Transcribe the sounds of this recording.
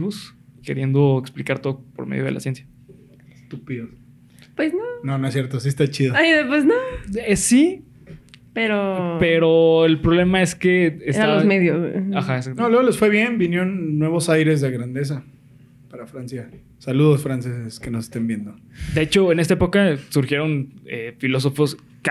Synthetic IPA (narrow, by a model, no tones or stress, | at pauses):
βos | keɾje̞nd̪o̞eksplikaɾt̪o̞ðopoɾmḛðjoðḛla̰sje̞nsja | est̪upiðos | pweznononoes̬jeɾt̪os̬iest̪at͡ʃiðoaiðepweznoesi | peɾopeɾoelpɾoβle̞mae̞skeːst̪aalozmeðjosaxaeksak̚t̪nolweɣolosfwe̞βje̞nbinjeonːwe̞β̞osajɾe̞zðeɣɾand̪e̞s̬a | paɾafɾansja | saluðosfɾanse̞seskenosest̪embjend̪o | d̪e̞et͡ʃo̞ene̞st̪aepo̞kasuɾxjeɾo̞nḛfilo̞s̬o̞fo̞s | k